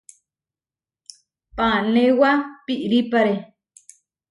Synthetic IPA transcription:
panewapiʔɾipaɾe

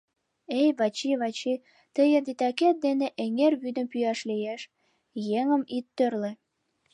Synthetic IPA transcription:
ejβɑt͡ɕiβɑt͡ɕi | t̪əjəd̪it̪ɑket̪̚d̪eneʔeŋerβyd̪əmpyjɑʃlijeʃ | jeŋə̆mit̪ːørlĕ

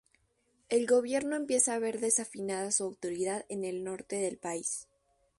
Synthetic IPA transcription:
e̞lɣo̞β̞je̞ɾno̞empje̞saːβe̞ɾðe̞safinaðasuawt̪o̞ɾiðaðe̞ne̞lno̞ɾt̪e̞ðe̞lpais

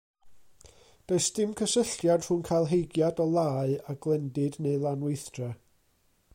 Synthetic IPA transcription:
b̥eɨsd̥ɪmkʰəsəɬjad̥r̥ʊnkʰalˠɦejɡjadɔlˠaːɨaɡlˠɛndɨdneɨlˠanwejθd̥rɛ

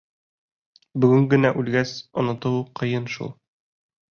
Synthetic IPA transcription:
bɵ̆ɡɘŋɡɘ̆næʔʉlɡæsŏ̰nɤ̆t̪ɤwqɤ̆jɤnʃṵlˠ

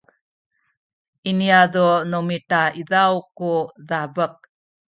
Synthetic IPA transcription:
iniaðonomitaiðawkuðabək̚

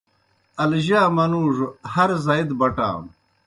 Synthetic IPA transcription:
ɐlʑaːmɐnuːʐuhɐɾzɐid̪bɐʈa̰ːm

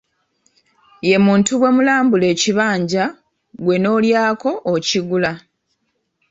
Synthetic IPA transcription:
je̞muːntuβwe̞mulaːmbule̞ːciβaːɲɟa | ɡwe̞no̞ːljaːko̞ʔːciɡula

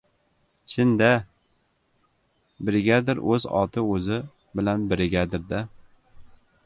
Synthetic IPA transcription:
t͡ʃʰɪnd̪a | bɪɾɪɡʲad̪ɪɾʔɵzɒ̰t̪ʰɪɵzɪ | bɪlanbɪɾɪɡʲad̪ɪɾd̪a

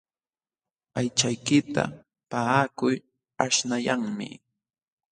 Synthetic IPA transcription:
ajt͡ʃajkɪt̪a̰ | paakʊj | aʃnajaŋmɪ̰

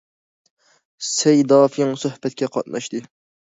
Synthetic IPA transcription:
sɛjd̪ɑːfɪŋsøhbɛt̪̚kʲʰɛqʰɑt̪̚nɑ̰ʃt̪ɨ

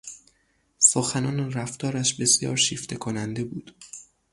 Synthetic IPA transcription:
soxænɒːnræft̪ʰɒːɾæʃbe̞sijɒ̰ːɾʃiːft̪ʰe̞kʰonænd̪e̞buːd̪̥

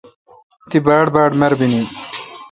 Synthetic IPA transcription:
t̪ibaːɽbaːɽmeɾbini

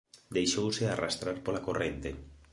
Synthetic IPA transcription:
d̪ejʃowsearast̪ɾaɾpolakorent̪e

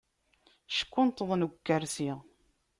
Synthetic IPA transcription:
ʃə̥kʷːʊnt̪əðˤnkːəɾsiʁ

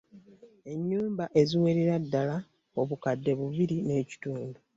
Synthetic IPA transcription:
e̞ɲːuːmbaʔe̞ziwe̞ɾeɾadːala | o̞βukadːe̞βuβiɾine̞ːci̥tuːndu

